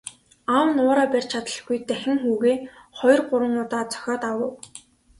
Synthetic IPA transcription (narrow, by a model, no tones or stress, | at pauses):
awnʊːɾaːpærʲt͡ɕʰat̪ə̆ɮɡujt̪æxʲɪ̆ŋxuːɣeːχɔjɞ̆rɢʊɾwə̆ŋʊt̪aːt͡sœ̥xʲɔːt̪awə̆w